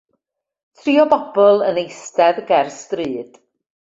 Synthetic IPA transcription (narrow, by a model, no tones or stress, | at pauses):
tʰriːɔbɔb̥ɔlˠənejstɛðɡɛrstrɨːd̥